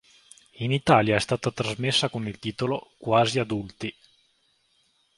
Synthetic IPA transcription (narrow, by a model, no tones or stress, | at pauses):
init̪aːljaɛst̪aːt̪at̪ɾazmesːakonilt̪iːt̪olokwaːziad̪ult̪i